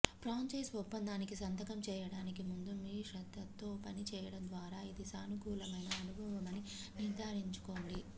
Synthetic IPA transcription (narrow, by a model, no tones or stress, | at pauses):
pɾaːɲt͡ʃɐjsɔppːɐnd̪aːnikisɐnt̪ɐkɐmt͡ʃɛːjɐɽaːnikimund̪umiːʂɐd̪ːɐt̪ːoːpɐnit͡ʃɛːjɐɽɐnd̪ʋaːɾaːid̪isaːnuɡuːlɐmɐjnɐːnubʱɐʋɐmɐni | nid̪aːɾiɲt͡ʃu̥ko̞ːɳɖi